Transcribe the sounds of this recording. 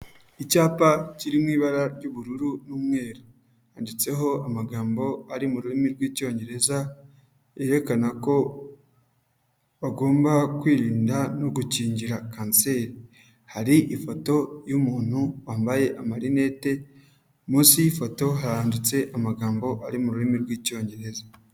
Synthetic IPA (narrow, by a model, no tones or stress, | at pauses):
icaːpaciɾimŋiːβaɾaɾɟuβuɾuɾunuːmŋe̞ːɾo | haːndit͡se̞ɦo̞amaɡaːmbo̞aɾimuɾuɾimiɾɡwiːco̞ːɲɟe̞ɾe̞za | e̞ɾe̞kanako̞ | βaɡo̞ːmbakwiːɾiːndanoɡuciːɲɟiɾakaːnse̞ːɾi | haɾiʔifo̞to̞jumuːn̥huwaːmbaje̞ʔamaɾine̞ːte̞ | muːnsiifo̞to̞ɦaɾaːndit͡se̞ʔamaɡaːmbo̞ʔaɾimuɾuɾimiɾɡwiːco̞ːɲɟe̞ɾe̞za